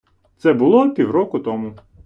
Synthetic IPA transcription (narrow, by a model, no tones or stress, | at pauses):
t̪sɛbʊlˠɔpʲiwɾɔkʊt̪ɔmʊ